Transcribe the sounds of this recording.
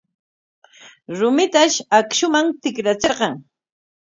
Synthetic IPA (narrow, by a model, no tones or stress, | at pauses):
ɾʊmɪt̪aʃakʃʊmamt̪ɪkɾat͡seɾɢɑŋ